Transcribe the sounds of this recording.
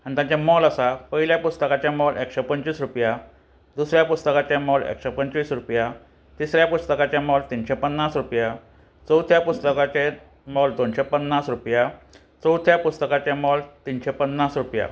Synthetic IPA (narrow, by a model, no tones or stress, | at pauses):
aɽ̃it̪jãt͡ɕamɔlasapəɦiljapust̪əkat͡ɕjemɔlekɕepəɲt͡ɕiːsɾupja | d̪usɾjapust̪əkat͡ɕemɔlḛkɕepəɲt͡ɕʋiːsɾupja | t̪isɾjapust̪əkat͡ɕamɔlt̪inɕepənːasɾupja | t͡sət̪ʰjapust̪əkat͡ɕe | mɔld̪onɕepənːasɾupja | t͡səwt̪ʰjapust̪əkat͡ɕemɔlt̪inɕepənːasɾupja̰